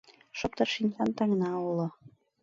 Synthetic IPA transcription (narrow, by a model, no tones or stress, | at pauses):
ʃŏp̚t̪ɑrʃinʲjɑnt̪ɑŋnɑulɤ̆